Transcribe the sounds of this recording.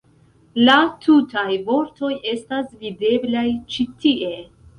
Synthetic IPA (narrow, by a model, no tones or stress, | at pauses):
latʰutajvo̞ɾto̞je̞stasvide̞blajt͡ʃitiʔe̞